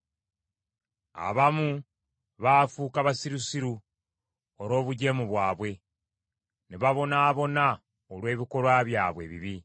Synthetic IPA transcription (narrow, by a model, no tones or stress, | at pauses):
a̰βamu | βaːfuːkaβasiɾusiɾu | oɾo̞ːβuɟe̞ːmuβwaːβwe̞ | neβaβo̞naːβo̞na | olwe̞ːβiko̞lwaːβjaːβwe̞̰ːβḭβi